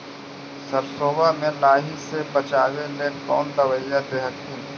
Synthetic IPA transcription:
səɾsoːwamẽlaːɦisebɐt͡ʃaːwelekɔ̰ːnɾɐʋəjːad̪eːɦəkĩː

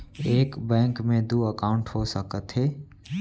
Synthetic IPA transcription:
eːkbɛ̃ːŋkmẽd̪uːəkaːʊɳʈɦosəkət̪ɦeː

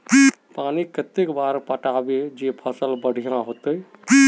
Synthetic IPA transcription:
panikət̪ːekbaɾpəʈabed͡ʒepʰəsəlbəɽ̤ʱiãɦot̪əj

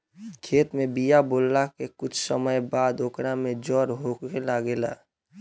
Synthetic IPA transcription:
kʰeːt̪mẽbijaboːlːakekʊt͡ʃʰsəməjbaːd̪okɾamẽd͡ʒɔːɾɦokelaɡela̰

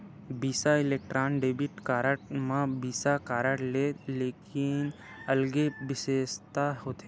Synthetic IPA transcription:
biːsaɪlek̚ʈɾaːnɖeːbɪʈkaːɾəʈmãbiːsakaːɾəʈleːleːkɪn | ɐlɡeʋɪʃeːʃt̪aɦoːt̪ɦe

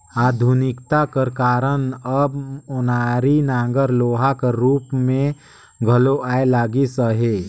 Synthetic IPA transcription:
aːd̪ʱʊnɪkt̪akəɾkaːɾənəbʊnaːɾinãːŋɡəɾloːɦakeɾuːpmẽ | ɡʱəloʔaːelaːɡisəɦeː

